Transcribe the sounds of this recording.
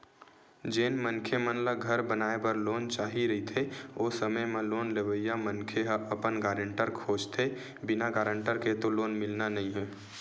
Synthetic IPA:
d͡ʒeːnmənkʰemənlaɡʱəɾbənaːebəɾloːnt͡ʃaːɦiɾəɦit̪ʰeoːsəməjmẽloːnlebəjamənkʰeɦʔəpənɡaːɾə̃ɳʈəɾkʰoːd͡ʒt̪ʰe | bɪnaɡaːɾə̃ɳʈəɾket̪oloːnmɪlnanəɦĩɦɛː

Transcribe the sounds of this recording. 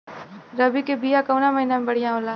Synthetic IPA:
ɾɐbikebijakɐwnamɐɦinamẽbɐɽ̤ijãoːlaː

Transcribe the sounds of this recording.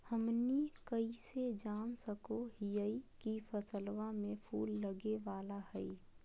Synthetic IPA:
həmnikəised͡ʒaːnsəkoɦijəikifəsəlwamẽpʰuːlːəɡeʋaːlaɦɛi

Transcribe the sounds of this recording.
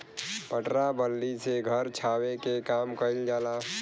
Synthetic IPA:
pəʈɾabəlːiseɡʱəɾt͡ʃʰaːwekekaːmkəɪld͡ʒaːlaː

